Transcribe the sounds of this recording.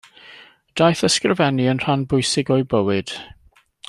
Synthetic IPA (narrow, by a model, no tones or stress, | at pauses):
d̥ajθəskrəvɛniənr̥anbʊjsɪɡɔɨbəwɪd̥